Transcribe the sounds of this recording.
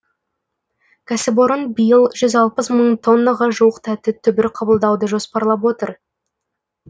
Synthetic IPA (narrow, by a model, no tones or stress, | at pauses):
kʲʰæsɪp̬oɾənbijəlˠʒʏzɑlˠpəsməɴt̪ʰo̞nːaʁɑʒuwəqt̪ʰæt̪ːɪt̪ʰʏbɪɾqʰɑbəlˠd̪ɑwd̪əʒo̞spɑɾlˠɑp̬wo̞t̪əɾ